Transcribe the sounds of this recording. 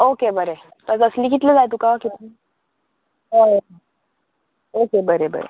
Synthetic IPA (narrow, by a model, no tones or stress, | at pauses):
okebəɾe | t̪əd͡zəsliːkit̪led͡zajt̪ukakit̪i | ɦo | okebəɾebə̰ɾḛ